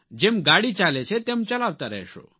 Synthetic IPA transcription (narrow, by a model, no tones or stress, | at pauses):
d͡ʑemɡaɽit͡salet͡ɕʰet̪emt͡ɕəlaʋt̪aɾə̰ɦɕo̰